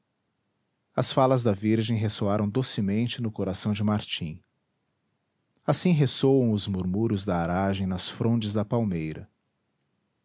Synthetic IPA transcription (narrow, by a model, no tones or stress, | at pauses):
ɐsfalɐzd̪ɐviɾʒẽj̃ɦesoaɾɐ̃w̃d̪osɪmẽnt͡ʃɪnʊkoɾasɐ̃w̃d͡ʒɪmaɾt͡ʃĩ | asĩɦesowɐ̃w̃ʊzmuɾmuɾʊzd̪ɐaɾaʒẽj̃nɐsfɾõnt͡ʃɪzd̪ɐpawmejɾɐ̰